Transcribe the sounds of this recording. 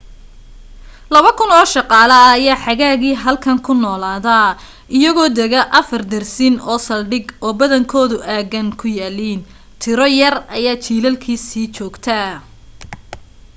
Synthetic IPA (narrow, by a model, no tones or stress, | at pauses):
lɐβɐkʰʊnɔːʃɑqɑːlɐːjaːħɑɣaːɣiːɦɐlkʰɐŋkʰʊnɔːlaːðɐ | ʔɪjɐɣɔːd̪ɛɣɐʔɐfɐrd̪ɐrsinɔːsɐlɖɪɡɔːbɐðɐŋkʰɔːðʊʔaːɣɐŋkʰʊjaːliːn | t̪ʰɪɾɔjɐrɐjaːt͡ʃʰiːlɐlkʰiːsiːt͡ʃɔːɡt̪ʰɐ